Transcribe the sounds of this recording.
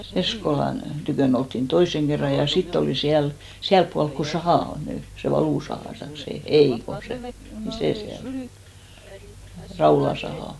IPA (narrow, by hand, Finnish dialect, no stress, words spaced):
eskolɑn tykøˑn oltːin toiseŋ kerːɑ jɑ sitː oliˑ siæl siælp puɑlk ko sɑhɑˑ on ny se ʋɑluˑsɑhɑˑ tɑik se ei ko se ni seˑ siæl rɑulɑ sɑhɑˑ